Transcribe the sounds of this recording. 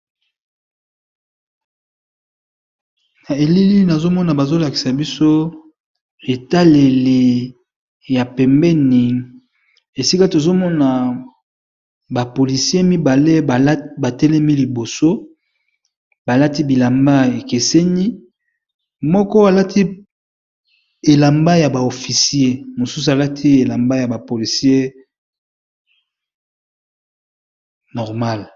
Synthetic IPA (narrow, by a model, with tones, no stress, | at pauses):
na˨e˨li˦li˦na˨zo˦mɔ˦na˨ba˨zo˦la˨ki˨sa˨bi˦so˦ | e˨ta˦le˨le˨ | ja˨pɛ˨mbɛ˦ni˨ | e˨si˦ka˦to˨zo˦mɔ˦na˨ | ba˨po˨li˨si˦e˦mi˦ba˨le˦˨˦ba˨tɛ˦lɛ˦mi˦li˨bo˨so˦ | ba˨la˦ti˦bi˨la˨mba˦e˨ke˨se˦ni˦ | mɔ˦kɔ˦a˨la˦tʰi˦ | e˨la˨mba˦ja˨ba˨o˨fi˨si˨˦e˦mo˨su˦s̬u˨a˨la˦tʰi˦e˨la˨mba˦ja˨ba˨po˨li˨si˦e˦ | nɔ˨ʁma˦˨l